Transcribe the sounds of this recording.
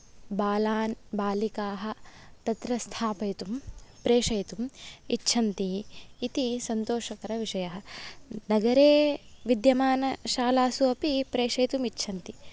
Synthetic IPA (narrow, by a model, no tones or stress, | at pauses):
baːlaːnbaːlikaːɦɐ̆t̪ɐt̪ɾɐst̪ʰaːpɐjt̪umpɾeːʂɐjt̪umitːʃʰɐnt̪iːt̪isɐnt̪oːʂɐkɐɾɐʋiʂɐjɐɦɐ̆nɐɡɐɾeːʋid̪jɐmaːnɐʃaːlaːsuɐpipɾeːʂɐjt̪umitːʃʰɐnt̪i